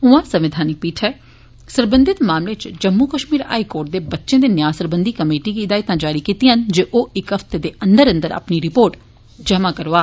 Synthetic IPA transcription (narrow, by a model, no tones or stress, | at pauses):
ʊãːsəʋɪd̪ʱaːnikpiːʈʰɦɛː | səɾbənd̪ɪt̪maːmleːt͡ʃd͡ʒəmːuːkəʃmiːɾa̰ːikoːɾʈ̚d̪eːbətːʃẽːd̪eːnjaːsəɾbənd̪ikəmeːʈiːkiɪd̪aːit̪ãːd͡ʒaːɾiːkiːt̪iːɦənd͡ʒeːʔoːɪkəft̪ed̪eːʔənd̪əɾə̃nd̪əɾa̰pniɾɪpoːɾʈ | d͡ʒəmãːkəɾoaː